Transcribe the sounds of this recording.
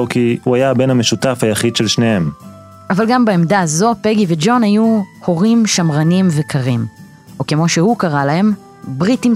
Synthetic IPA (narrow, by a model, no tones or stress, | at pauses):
okihuajabe̞nhameʃutafhajaχidʃelʃne̞he̞m | ʔavalɡambeemdazo̞peɡived͡ʒo̞nhajuho̞ʁimʃamʁanimvekʰaʁim | oke̞mo̞ʃehukaʁalahe̞m | bʁitim